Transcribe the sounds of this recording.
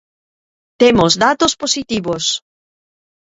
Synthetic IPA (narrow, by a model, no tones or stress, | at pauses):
t̪emozðat̪osposit̪iβos